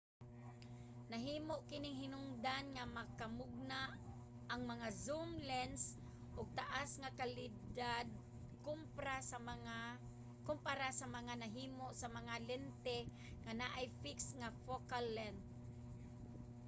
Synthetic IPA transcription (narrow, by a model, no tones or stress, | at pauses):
naɦiːmoʔkɪnɪŋɦɪnʊŋd̪anŋamakamʊɡ̚naʔ | aŋmɐŋazumlɛns | ʔʊɡ̚t̪aʔasŋakalɪd̪ad̪̚ | kʊmpɾasaa | kʊmpaɾasamaŋanaɦiːmoʔsamaŋalɛnt̪ɛ | ŋanaʔajfɪksŋafokalːɛnd̪̚